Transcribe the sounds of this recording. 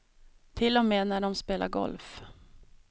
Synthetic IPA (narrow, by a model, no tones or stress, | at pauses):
t̪ʰɪlːɔmeːnæɖɔmspeːla̰ɾɡɔ̰lf